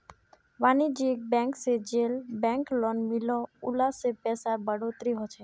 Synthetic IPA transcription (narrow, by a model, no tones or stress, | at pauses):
ʋanid͡ʒiek̚bɛ̃ŋksed͡ʒelbɛ̃ŋklɔnmilɔulasepɛsabəɽot̪ɾiɦɔt͡ʃʰe